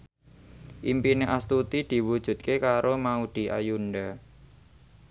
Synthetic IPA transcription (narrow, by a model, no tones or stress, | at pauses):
ʔimpineʔast̪ut̪id̪̥i̤wud̥ʒ̥ṳt̪̚kekaɾomaud̪̥i̤ʔajunɖa